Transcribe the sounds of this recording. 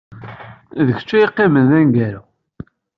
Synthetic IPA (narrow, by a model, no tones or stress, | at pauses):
ðəçt͡ʃːæjiqːimənðænɡæɾa